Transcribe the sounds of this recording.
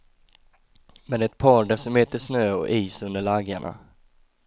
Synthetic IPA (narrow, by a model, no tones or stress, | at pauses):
mɛnɛt̪̚pʰɑːɖɛsɔmheːt̪əʂnøːɔ̰ʔiːsɵnd̪əɭaɡaɳa̰